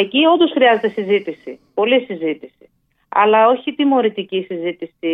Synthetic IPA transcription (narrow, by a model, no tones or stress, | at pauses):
ecio̞nd̪o̞sxɾiɐze̞t̪e̞sizit̪isipo̞lisizit̪isi̥ | ɐ̰lɐo̞çit̪imo̞ɾit̪icisizit̪isi